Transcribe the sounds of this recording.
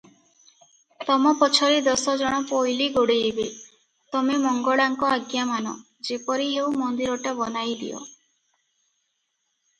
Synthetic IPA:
t̪ɔmɔpɔt͡ʃʰɔɾid̪ɔsɔd͡ʒɔɽ̃ɔpojliɡoɽeibe | t̪ɔmemɔŋɡɔɭaŋkɔaɡjamanɔ̰ | d͡ʒepɔɾiɦeumɔnd̪iɾɔʈabɔnajd̪ḭɔ̰

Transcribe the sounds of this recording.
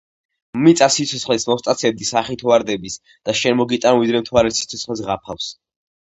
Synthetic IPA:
mit̪sʼasit̪sʰɔt̪sχlɛsmɔst̪ʼat̪sʰɛb̚d̪isaχit̪ʰɔaɾd̪ɛbis | d̪̥aʃɛnmɔɡit̪ʼanvid̪ɾɛmt̪ʰuaɾɛt̪sit̪sʰɔt̪sχlɛs̬ʁapʰafs

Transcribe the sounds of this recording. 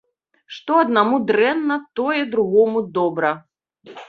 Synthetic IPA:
ʂt̪ɔɐd̪namud̪ɾɛnːɐt̪ɔjɛd̪ɾuɣɔmud̪ɔbɾɐ

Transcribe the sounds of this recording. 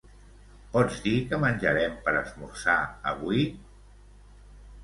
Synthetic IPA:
pɔd͡zd̪ikəmənʲʒəɾɛmpəɾəzmuɾsaə̰βui

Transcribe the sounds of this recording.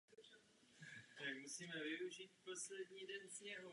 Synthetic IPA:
t̪akmusiːmɛvɪuʒiːt̪̚po̞slɛdɲiːdɛnzɲɛɦu

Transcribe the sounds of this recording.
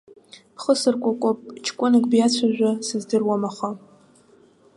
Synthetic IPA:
pʰχəsɨrkʷʼakʷʼopʼt͡ʃʰkʷʼʊnɨkʼbjat͡sʷʰaʒʷᶣasɨzdɨrwamaχʷa

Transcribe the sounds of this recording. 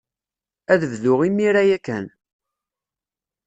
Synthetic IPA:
æðəvðʊʁimiɾæjækːæn

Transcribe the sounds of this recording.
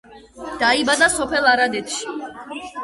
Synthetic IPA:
d̪̥aibad̪asɔpʰɛlˠaɾad̪ɛt̪ʰʃi

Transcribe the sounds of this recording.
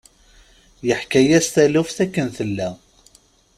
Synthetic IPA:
jəħkæjæst̪ælufθækːənθəlːæ

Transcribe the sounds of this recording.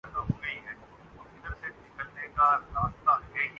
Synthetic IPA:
kaɦoːɡɐiɦɛː | ʊɪd̪əɾsenɪkəlnekaɾaːst̪aɡe

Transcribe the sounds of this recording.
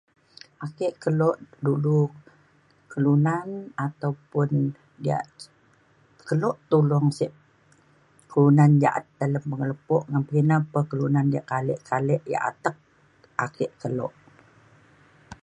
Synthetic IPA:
ʔakɪʔkəlɔʔdulu | kəlunanat̪awpʊn | dia̰ʔ | kəlɔʔt̪ulɔŋsɪʔ | kəlunand͡ʒaʔa̰t̪̚daləmpəŋələpɔʔŋanpəɡinapəkəlunandiaʔkalɛʔkalɛʔja̰ʔa̰t̪ək̚ | akɪʔkəlɔ̰ʔ

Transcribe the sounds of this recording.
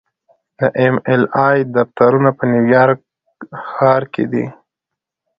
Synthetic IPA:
d̪əʔemelɑjd̪ɑft̪aɾunapənjuwjɑɾk | xɑɾkḛd̪ḭ

